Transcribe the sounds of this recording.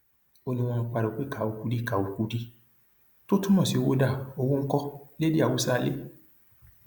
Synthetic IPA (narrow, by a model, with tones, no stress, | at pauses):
o˧nĩ˧w̃ɔ̃˧k͡pa˧ɾo˨k͡pe˦ka˨u˧˦ku˧˦di˦ka˨wu˨ku˨˦di˦ | to˦tũ˦mɔ̃˦˨si˨˦o˧wo˦da˦˨o˦˧wo˦ŋ̩˦kɔ˦le˦di˦a˦˨wo˨˦sa˦˨˧le˦